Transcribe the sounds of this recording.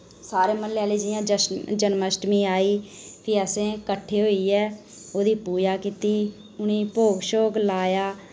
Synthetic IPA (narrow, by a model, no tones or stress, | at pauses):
saːɾeːməlːaːleːd͡ʒɪːãːd͡ʒd͡ʒənməsʈmĩːaːiːpʰiːɛːsẽːkəʈʰːeːɦoːiːɛː | oːd̪iːpuːd͡ʒaːkiːt̪iː | ʊniːpoːɡʃoːɡlaːjaː